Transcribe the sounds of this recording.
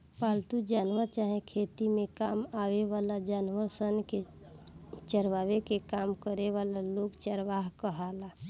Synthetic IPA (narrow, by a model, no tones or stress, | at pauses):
paːlt̪ud͡ʒaːnʋət͡ʃaːɦẽkʰeːt̪imẽkaːmaːweʋaːlad͡ʒaːnʋəsənke | t͡ʃəɾʋaːʋekekaːmkəɾeʋaːlaloːɡt͡ʃəɾʋaːɦkəɦaːla